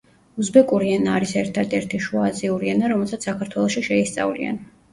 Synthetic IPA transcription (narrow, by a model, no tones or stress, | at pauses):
uzbɛkʼuɾiɛnaːɾisɛɾt̪ʰad̪ɛɾt̪ʰiʃuaziuɾiɛnaɾɔmɛlˠsat̪sʰsakʰaɾt̪ʰwɛlˠɔʃiʃɛist̪sʼa̰vlḭa̰n